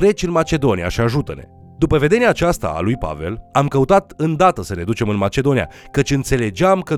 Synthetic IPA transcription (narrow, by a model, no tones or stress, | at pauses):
ɾe̞t͡ʃʲɨnmat͡ʃe̞d̪o̞nija̰ʃiaʒut̪əne̞̰ | d̪upəve̞d̪eneaːt͡ʃast̪a̰ːlujpa̰ve̞̰lamkəut̪at̪ɨnd̪at̪əsəɾe̞d̪ut͡ʃe̞mɨnmat͡ʃe̞d̪o̞nija̰kət͡ʃʲɨnt̪se̞le̞d͡ʒeamkə